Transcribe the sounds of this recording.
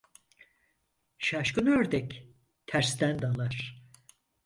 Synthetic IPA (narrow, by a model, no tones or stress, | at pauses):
ʃaʃkɯnøɾd̪ɛk | t̪ʰæɾst̪ænd̪alˠaɾ̥